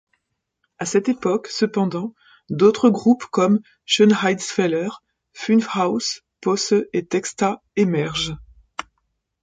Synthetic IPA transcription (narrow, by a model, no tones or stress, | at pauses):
asɛt̪epɔksəpɑ̃d̪ɑ̃ | d̪ot̪χəɡʁupkɔm | ʃənʁajd̪sfɛlœʁ | fynfhaws | pɔsøet̪ɛkst̪a | emɛʁʒ